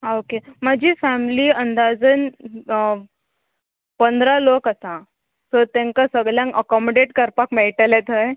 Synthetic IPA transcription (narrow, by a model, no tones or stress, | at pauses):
aokemad͡ʑiːfæmliːənd̪ad͡zən | pənd̪ʱɾalokasã | sɔt̪ẽŋkasəɡɭljãŋəkɔmoɖeʈkəɾpakmeɭʈalet̪əj